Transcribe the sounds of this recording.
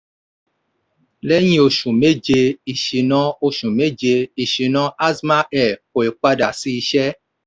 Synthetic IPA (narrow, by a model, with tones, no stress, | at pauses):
lɛ˦j̃ĩ˦o˧ʃũ˨me˦d͡ʒe˧i˨ʃi˨˦nɔ̃˧o˧ʃũ˨me˦d͡ʒe˧i˨ʃi˨˦nɔ̃˧˦a˦sma˦ɛ˨ko˨e˨k͡pa˧da˨si˦i˧ʃɛ˦